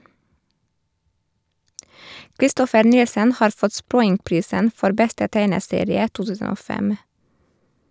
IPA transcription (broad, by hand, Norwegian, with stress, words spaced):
kɾɪˈstɔfəɾ ˈnɪlsən ˈhɑːɾ ˈfɔt ˈspɾɔʏŋˌpɾiːsən ˈfɔɾ ˈbɛstə ˈtæɪnəˌseːɾɪə ˈtuː ˈtʉːsən ˈoː ˈfɛm